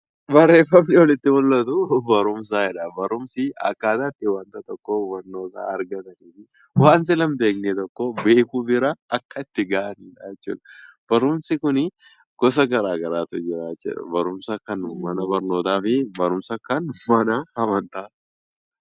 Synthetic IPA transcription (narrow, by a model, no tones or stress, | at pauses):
bɐrːe̞ːfːɐmnɪwɔlɪt̪ːɪmʊlːɐt̪ʊbɐɾʊms̬aːɛᶑɐbɐɾʊmsɪɐ̰kːaːt̪at̪ːɪwɐnt̪ɐt̪ɔkːɔwɐnːoːsa̰ːɐɾɡɐt̪ɐniːfɪ | waːns̬ɪlɐmbe̞ːknet̪ɔkːɔbeːkubɪɾɐːkːɐɪt̪ːɪɡaːʔɐniːᶑɐjɛt͡ʃːṵːᶑɐ̥b̥ɐɾʊmsɪkʊnɪ | ɡ̥ɔsɐɡɐɾaːɡɐɾaːt̪ʊd͡ʒɪɾaːt͡ʃːɛ̰ᶑɐ̰bɐɾʊmsakːɐnmɐnɐbɐɾnoːt̪aːfɪbɐɾʊmsɐkːɐnmɐnɐhɐmɐnt̪aː